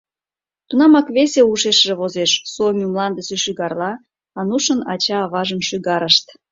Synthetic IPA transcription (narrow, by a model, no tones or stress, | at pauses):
t̪unɑmɑkβesʲeuʃeʃʒeβozeʃsomumlɑnd̪əseʃyɣɑrlɑ | ɑnuʃənɑt͡ɕɑːβɑʒəmʃyɣɑɾəʃt̪